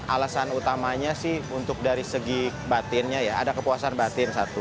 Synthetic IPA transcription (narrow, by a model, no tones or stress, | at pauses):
a̰lasanut̪amaɲasɪhunt̪ʊk̚daɾisəɡibat̪ɪnɲajaa̰dakəpuasanbat̪ɪnsat̪u